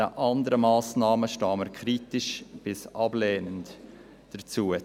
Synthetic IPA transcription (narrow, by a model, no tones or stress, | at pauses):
əʔɑndəɾəmɑːsnɑːməʃtɑːməkʰɾiːtɪʃb̥ɪsʔɑbleːnənt | d̥ət͡suːə